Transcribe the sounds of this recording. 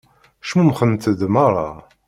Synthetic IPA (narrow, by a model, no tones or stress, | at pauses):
ʃmumχənt̪əðmɑɾˤɑ̰